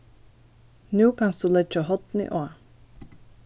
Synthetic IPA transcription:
nʉːkʰansd̪̥ulɛd͡ʒəɦɔt̪nɪ̰ʔɔa

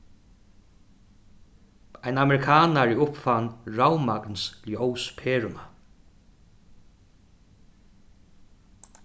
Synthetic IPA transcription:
ajnamɛɾɪkʰaːnaɹɪʊpfanɹawmaknsljowspʰeːɹʊma

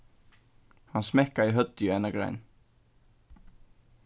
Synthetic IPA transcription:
hansmɛhkaiɦœt̪jʏɛnːakɾa̰ːjn

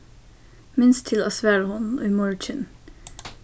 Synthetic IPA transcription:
mɪnst̪ʰɪlɑ̰sʋæːɾəhʊno̰imɔɹt͡ʃən

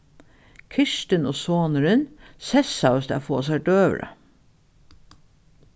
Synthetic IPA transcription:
kʰɪʃʈənoːsoːnəɾən | sɛsɑʊsd̪æ̰ːfoːs̬æɖøːʋ̰ɾɑ̰

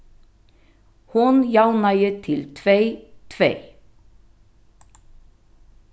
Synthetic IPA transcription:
hʊnjɑlnɑɪət̪ʰɪlt̪ʰʋeɪt̪ʰʋḛɪ

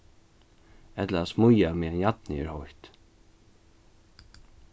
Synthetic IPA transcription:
ɛt̪laasmʊjamɛanjat̪nɪɪ̰ɹhɔjht̪

